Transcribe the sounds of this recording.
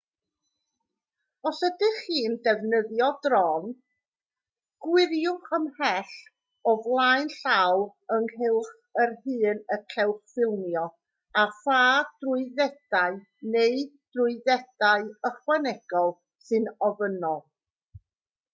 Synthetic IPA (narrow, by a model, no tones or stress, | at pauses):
ɔsədɪχiːndɛvnəðjɔdrɔn | ɡ̥wɪɾjʊχəmhɛɬ | ɔvlˠaɨnɬaw | əŋɦɪlˠχ | ərɦɨːnəkʰɛwχfɪlˠmjɔ | afaːd̥rʊɨðɛd̥aɨ | neɨd̥rʊɨðɛd̥aɨəχwɛnɛɡ̥ɔlˠ | sɨnɔvənɔlˠ